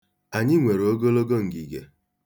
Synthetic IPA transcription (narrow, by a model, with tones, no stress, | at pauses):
a˨ɲɪ˦ŋʷe˨ɾo˨o˦ɡo˦lo˦ɡo˦ŋ̩˨ɡi˨ɡḛ˨